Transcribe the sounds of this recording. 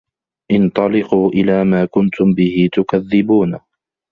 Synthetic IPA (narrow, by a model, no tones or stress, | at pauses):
ʔɪnt̪ˤɑlɪquːʔɪlaːmaːkʊnt̪ʊmbɪhɪt̪ʊkaðːɪbuːn